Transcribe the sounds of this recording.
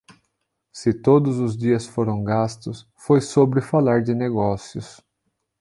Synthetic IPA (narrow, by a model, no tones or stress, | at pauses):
sɪt̪od̪ʊzʊzd͡ʒiɐsfoɾɐ̃w̃ɡast̪ʊs | fojsobɾɪfalaɾd͡ʒɪneɡɔsiʊs